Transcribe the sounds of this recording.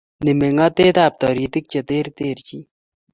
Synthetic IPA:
nimeŋat̪eːt̪aːp̚t̪ɔɾit̪ik̚t͡ʃɐt̪eːɾt̪eːɾt͡ʃi

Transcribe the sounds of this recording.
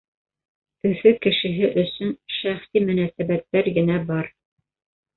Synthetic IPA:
ɵ̆fɵkɘ̆ʃɘ̆ɦɘʔɵ̆sɵnʃæχsimɵ̆næsæbæt̪ːæɾɡɘ̆næbɑɾ

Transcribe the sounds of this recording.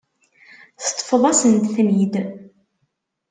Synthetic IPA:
θt̪ˤːfəðˤɑsənt̪θmid̪

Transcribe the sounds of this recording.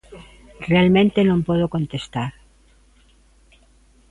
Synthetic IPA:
realmẽnt̪enõmpwoðokont̪est̪aɾ

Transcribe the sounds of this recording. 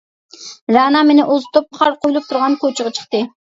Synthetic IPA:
ɾɑːnɑmenɪʔozt̪ʰop̚χʰɑɾqʰojulˠup̚t̪ʰuɾʁɑnkʰot͡ʃʰəʁɑt͡ʃʰə̥χt̪ɨ

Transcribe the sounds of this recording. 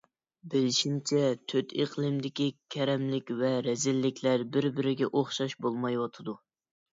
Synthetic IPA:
bɪlɪʃimt͡ʃʰɛt̪ʰøt̪ʰeqlˠɨmd̪ɪkʲikʲʰɛɾɛmlɪkʲvɛɾɛzɪlːɪkʲʰlæɾbɪɾbɪɾɪɡʲɛʔoχʃɑʃbolˠmɑjwɑt̪ʰɨd̪u

